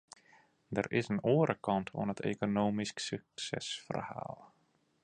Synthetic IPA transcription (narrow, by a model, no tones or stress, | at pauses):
dərɪsənoəɾʔəkɑntʰṵənɦətʰḛkonoːmisksyksɛ̰sfə̰rha̰ːlˠ